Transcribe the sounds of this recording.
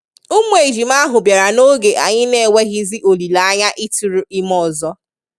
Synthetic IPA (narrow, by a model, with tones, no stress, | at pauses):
ʊ˦mʷ˦e˨d͡ʒi˨m˦a˦ɦʊ˨bja˨ɾa˨no˦ɡe˨ʔa˨ɲɪ˦ne˦˨we˦ɣɪ˦zɪ˦ʔo˨li˨la˨˦ɲa˦ʔi˦tu˨ɾu˨i˦mɔ˨zɔ˦